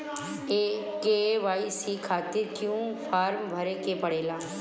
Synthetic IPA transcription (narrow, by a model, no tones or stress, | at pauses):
e | keʋaːisikʰaːt̪ɪɾkjũːpʰaːɾmbʱɐɾekepɐɽeːlaː